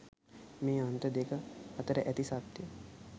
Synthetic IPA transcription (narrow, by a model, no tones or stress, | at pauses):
meːant̪əd̪ekəɐt̪əɾəʔæt̪isad̪jə